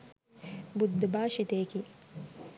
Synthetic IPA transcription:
bud̪ʱːbaːʃit̪eːki

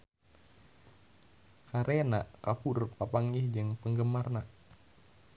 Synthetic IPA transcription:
kaɾʔenaʔkapurpapaŋihd͡ʒɨŋpəŋɡəmarna

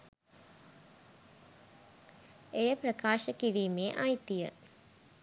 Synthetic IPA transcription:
ejəprɐkaːʃəkiɾiːmeːʔajt̪ijə̰

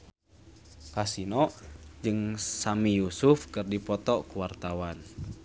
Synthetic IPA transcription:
kasinɔʔd͡ʒɨŋsamijusufkɨrdipɔt̪ɔkuwart̪awan

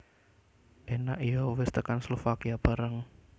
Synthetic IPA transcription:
ʔenaʔijɔwɪst̪əkanslofakiab̥a̤ɾəŋ

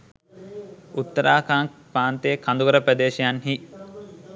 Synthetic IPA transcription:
ut̪ːəɾaːkaːŋpaːnt̪eːkʰand̪uɡɐɾəpɾɐd̪eːʃijanɦi

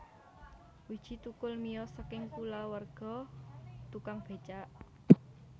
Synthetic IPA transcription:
wid̥ʒ̥i̤t̪ukʊlmijɔsəkɪŋkulawərɡ̥ɔ̤ | t̪ukaŋb̥e̤t͡ʃaʔ

